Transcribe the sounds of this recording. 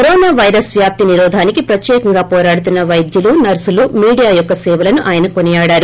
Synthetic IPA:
kɐɾoːnaːʋɐjɾɐsʋjaːp̚t̪iniɾɔːd̪ʱaːnikipɾɐt̪jɛːkɐŋɡaːpɔːɾaːɽut̪unːɐʋɐjd̪julunɐɾsulumiːɽijaːjɔkːɐsɛːʋɐlɐnuʔaːjɐnɐkonijaːɽaːɾu

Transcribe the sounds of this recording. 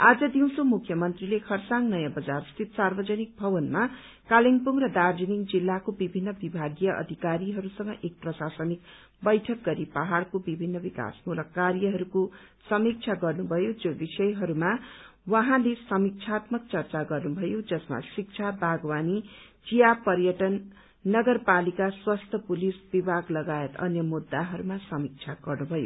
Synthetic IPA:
ad͡zʌd̪iw̃somukʰːjʌmʌnt̪rilekʰʌrsaŋnʌjãbʌd͡zarst̪ʰit̪sarbʌd͡zʌnik̚bʱʌbʌnma | kaliŋpuŋrʌd̪ard͡ziniŋd͡zilːakobibʱinːʌbibʱaɡjʌʔʌ̰d̪ʱikaɾiɦʌɾusʌŋɡʌʔek̚prʌsasʌnik | bʌjʈʰʌk̚ɡʌɾipʌɦaɽkobibʱinːʌbika̰smulʌkːarjʌɦʌɾuko | sʌmik̚t͡sʰaɡʌrnubʱʌjod͡zobisʌjɦʌɾumawaɦãlesʌmik̚t͡sʰat̪mʌk̚t͡sʌrt͡saɡʌrnubʱʌjod͡zʌsma̰sik̚t͡sʰabʱaɡwani | d͡zijapʌrjʌʈʌnː | ʌɡʌrpalikaswast̪ʰʌpulisbibʱaɡlʌɡaet̪ʌ̰njʌmud̪ːaɦʌɾumasʌmik̚t͡sʰaɡʌrnubʱʌjo̰

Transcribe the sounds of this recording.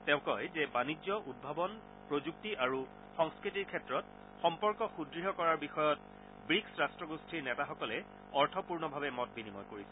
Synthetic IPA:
tɛʊ̃kɔjzɛbanid͡ʒɔʔud̚bʱabɔn | pɹozuk̚tiʔaɹu | xɔŋskɹitiɹkʰɛtɹɔt̚ | xɔmpɔɹkɔxudɹiɦɔkɔɹaɹbixɔjɔt̚ | bɹiksɹastɹɔɡustʰiɹnɛtaxɔkɔlɛ | ɔɹtʰɔpuɹnɔbʱabɛmɔt̚binimɔjkoɹisɛ

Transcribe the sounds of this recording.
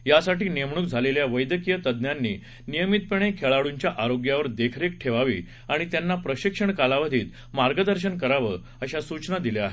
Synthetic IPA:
jasaʈiːnijəmɳ̃uːkd͡zʱaleljaʋəjd̪əkijət̪əd̪njanːḭː | nijəmit̪̚peɳ̃ekʰeɭaɽuɲt͡ɕjaʔaɾoɡjaʋəɾd̪ekʰɾekʈʰeʋaʋḭː | aɽ̃it̪janːapɾəɕikʂəɳkalaʋəd̪ʱiːt̪ | maɾɡəd̪əɾɕ̬ənkəɾaʋə | əɕasut͡ɕnad̪ileaɦe

